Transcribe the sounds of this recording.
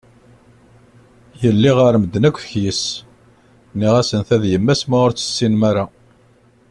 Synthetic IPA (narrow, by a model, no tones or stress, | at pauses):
jəlːiʁəɾməd̪ːnækʷːfəçjis | nːiʁæsənθæðjəmːæsməʊɾt͡sːə̥sːinmæɾa